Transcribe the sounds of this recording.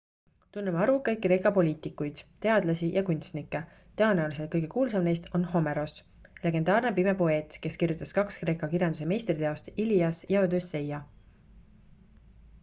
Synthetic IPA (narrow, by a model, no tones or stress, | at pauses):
t̪unːemɑɾukɤjk̚kre̞ːkˑɑpo̞lʲiːt̪ikːujd̪̥t̪e̞ɑd̪lɑsijɑkunʲt̪st̪nikːe | t̪eonæolise̞lt̪̚kɤjɡ̥e̞kuːls̬ɑmne̞jst̪o̞nɦo̞me̞ɾo̞s | le̞ɡe̞nd̪ɑːrnepimepo̞e̞ːt̪ke̞skirjut̪ːˑɑskɑkskre̞ːkˑɑkirjɑnd̪use̞me̞jst̪rit̪eo̞st̪iliɑsjɑod̪øsːe̞jɑ